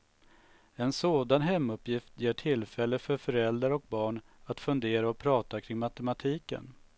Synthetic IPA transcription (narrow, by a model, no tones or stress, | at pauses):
ɛnsoːd̪anɦɛmːɵpjɪft̪jeːʈʰɪlːfɛlːəfœɾfœɾɛld̪ɾaɾɔk̚bɑːɳ | at̪fɵnd̪eːɾaɔpʰɾɑːt̪akʰɾɪŋmat̪ɛmat̪ʰiːkə̰n